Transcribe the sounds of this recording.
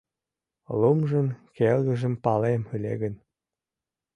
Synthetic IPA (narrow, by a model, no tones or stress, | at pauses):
lumʒə̆nkelɣə̆ʒə̆mpɑlemylḛɣən